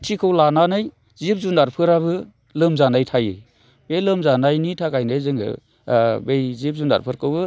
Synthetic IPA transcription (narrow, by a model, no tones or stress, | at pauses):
tʰikʰɯwlananɯj | zip̚zunaɾpʰɯɾabɯ | lɯmzanajtʰajɯ̰ | b̥elɯmzanajnitʰakajnɯjzɯŋɯ̰ | bejzip̚zuna̰ɾpʰɯɾkɯwbɯ